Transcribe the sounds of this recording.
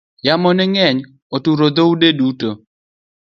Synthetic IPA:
jamɔnɛŋɛɲ | otuɾod̪oudeduto

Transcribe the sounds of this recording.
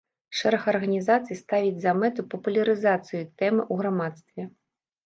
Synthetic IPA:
ʂɛɾɐxɐrɣɐnʲizat̪sɨjst̪avʲid͡zʲzɐmɛt̪ɨpɐpulʲɐɾɨzat̪sɨjut̪ɛmɨʔuɣɾamat̪st̪vʲɛ

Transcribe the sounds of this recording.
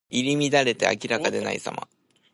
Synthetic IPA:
iɾʲimʲid̪aɾe̞t̪e̞̰a̰kʲiɾakad̪e̞na̰ḭsa̰mʔa̰

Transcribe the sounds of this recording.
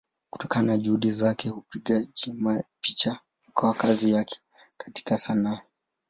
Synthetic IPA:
ku̥tɔkanaʄuhuɗizakɛhupiɠaʄimapit͡ʃa | m̩kɔwakazijakʰɛ̥ | kḁti̥kasanaː

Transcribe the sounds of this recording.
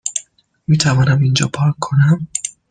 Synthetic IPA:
miːt̪ʰævɒːnæmind͡ʒɒ̰ːpʰɒːkʰːo̞næm

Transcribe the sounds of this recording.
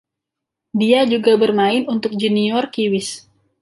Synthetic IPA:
diad͡ʒuɡabərmaɪnunt̪ʊk̚d͡ʒiniɔrkiwɪs

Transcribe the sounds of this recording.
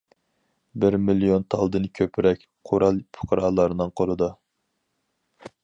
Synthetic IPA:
bɪɾmilijont̪ʰɑlˠd̪ɨnkʲʰøpʰɪɾɛkʲ | qʰoɾɑlˠpʰʊ̥qʰəɾɑːlˠɑɾnɨŋqʰolˠɨd̪u

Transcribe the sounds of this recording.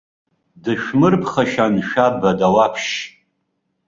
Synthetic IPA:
dɨʃᶣmɨrpʰχaʃanʃᶣabadawapʰʃ

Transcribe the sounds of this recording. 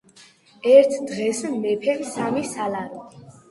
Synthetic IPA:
ɛɾt̪ʰd̪ʁɛsnɛpʰɛmsamisalaɾi

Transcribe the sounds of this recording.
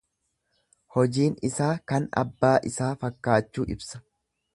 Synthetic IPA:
hɔd͡ʒiːnɪsaːkɐnɐ̰bːaːʔɪsaːfɐkːaːt͡ʃːuːɪ̰bsɐ̥

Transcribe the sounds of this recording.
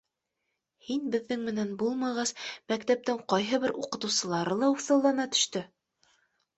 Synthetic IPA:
hinbɘ̆ðːɘŋmɘ̆nænbulˠmɑʁɑsmækt̪æp̚t̪ɘŋqɒjɦɤβɘɾuqɤ̆t̪ɤ̆wsɤ̆lˠɑɾɤlˠɑusɤ̆lˠːɑnɑt̪ɵ̥̆ʃt̪ɵ

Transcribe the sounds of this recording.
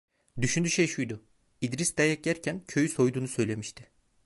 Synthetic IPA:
d̪yʃynd̪yʃejʃujd̪ʊ | id̪ɾisd̪ajɛc̚ɟæɾcʰæncʰø̞jyso̞jd̪uːnusø̞jlʲe̞miʃt̪ʰɪ̥

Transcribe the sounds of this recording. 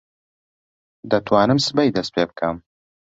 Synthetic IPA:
d̪ɐt̪ʰwaːnɨmsɨbɐjd̪ɐst̪̚pʰeːbɨkʰɐm

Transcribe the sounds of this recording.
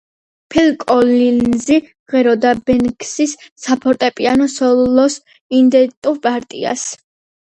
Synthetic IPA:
pʰɛlkʼɔlinzi | ʁɛɾɔd̪abɛnkʰsisːapʰɔɾt̪ʼɛpʼianɔsɔlɔs | ind̪ɛt̪ʼuɾpʼaɾt̪ʼḭa̰s

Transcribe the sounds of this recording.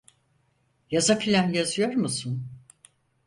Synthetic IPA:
jazakʰilʲæmjazɯjo̞ɾmusun

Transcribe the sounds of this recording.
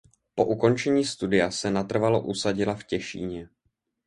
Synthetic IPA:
po̞̰ʔuko̞nt͡ʃɛɲiːst̪udɪjasɛnat̪r̩valo̞ʔusaɟɪlafcɛʃḭːɲɛ

